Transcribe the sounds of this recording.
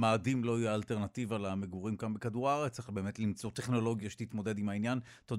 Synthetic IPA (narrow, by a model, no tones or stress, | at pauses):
maːdimlo̞ajealteʁnativalameɡuʁimkambekaduʁaʁet͡saχbe̞ːme̞t̪limt͡so̞t̪eχno̞lo̞ɡjaʃe̥tit̪mo̞de̞dimhainjan | t̪od